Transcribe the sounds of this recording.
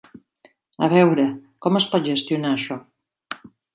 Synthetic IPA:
ə̰βɛwɾəkɔməspɔt̪̚ʒəst̪iunaːʃɔ

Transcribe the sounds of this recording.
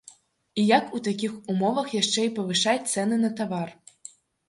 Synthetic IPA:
ijakut̪akʲixumɔvɐxjaʂt͡ʂɛipɐʋɨʂatʲt̪sɛnɨnɐt̪aʋar

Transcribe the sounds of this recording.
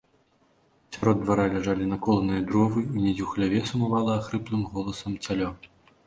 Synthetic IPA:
sʲaɾɔd̪ːvaɾalʲaʐalʲinɐkɔlˠɐnɨjɐd̪ɾɔvɨunʲɛd͡zʲuwxlʲavʲɛsumavalˠɐːxɾɨplˠɨmɣɔlˠɐsɐmt͡sʲalʲɔ

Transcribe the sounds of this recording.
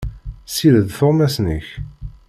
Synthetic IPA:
siɾəðfʊʁmæsnəç

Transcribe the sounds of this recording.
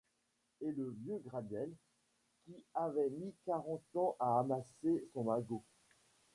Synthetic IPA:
eləvjøɡʁad̪ɛl | kʲiavɛmikaʁɑ̃t̪ɑ̃ʔaːmasesɔ̃maɡo

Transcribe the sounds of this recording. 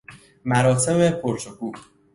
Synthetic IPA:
mæɾɒːt̪ʰemepʰoɾt͡ʃʰokuː

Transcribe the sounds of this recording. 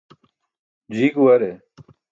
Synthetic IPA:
d͡ʑiːkuwɐɾe

